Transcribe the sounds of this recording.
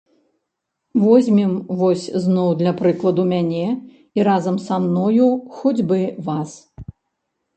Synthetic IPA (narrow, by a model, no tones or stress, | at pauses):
vɔzʲmʲimvɔsʲznɔwd̪lʲɐpɾɨklˠɐd̪umʲanʲɛ | iɾazɐmsamnɔjuxud͡zʲbɨvas